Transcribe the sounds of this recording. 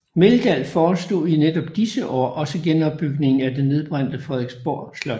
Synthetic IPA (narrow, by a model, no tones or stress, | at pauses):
meld̥æl̰fɒːsd̥o̝̰ːined̥ɒ̽b̥d̥isəʔɒ̰ːʔɒ̽səɡ̥enɒ̽bb̥ːyɡ̥ne̝ŋn̩æd̥e̝nːe̝ðˠb̥ʁan̰d̥əfʁɛðˠeɡ̥sb̥ɒ̰ːd̥slɒ̥